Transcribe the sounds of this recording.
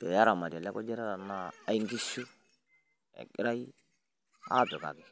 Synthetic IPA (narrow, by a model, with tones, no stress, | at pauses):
ɛ˨ja˦ɾa˨ma˨dla˦kɔ˦d͡ʒɛ˦ɾa˦ɾa˨naː˦i˦ŋɡi˦su˦ | ɛ̰˨kɪ˦ɾa˦i˦ | a̰˦dɔ˨ɡa̰˨ki˨